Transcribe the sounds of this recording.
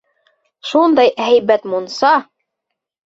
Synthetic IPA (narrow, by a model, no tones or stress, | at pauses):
ʃund̪ɑjɦæjbæt̪munsɑ